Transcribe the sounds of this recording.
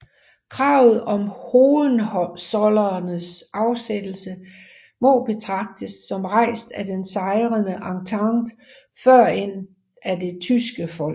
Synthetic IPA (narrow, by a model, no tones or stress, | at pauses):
kʰʁɑ̈ːʊð̩ˠɒ̽mhoːðn̩sɒlɐnəsʔɑ̈ʊsed̥l̩sə | mɒ̽b̥e̝t͡sʰʁɑ̈ɡ̥̚d̥əsːɒ̽mʁɑ̈ɪ̰sd̥æd̥ensɑ̈ɪʁənəʔɑ̈ŋt͡sʰɑ̈ŋd̥ | fɶɐ̰e̝n̰ | æd̥e̝t͡sʰysɡ̥əfɒ̽l̰